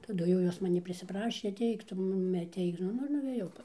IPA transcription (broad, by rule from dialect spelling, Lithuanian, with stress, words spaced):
tɐˈdʊ jɛʊ ˈjoːs mɐˈnʲiː pʲrʲɪsʲɪˈprɑːʃʲeː ɐˈtʲɛɪk ˈtʊ ˈmʊmʲɪ ɐˈtʲɛɪk ˈnʊ ˈnʊ ɪr nʊʋʲeːˈjɛʊ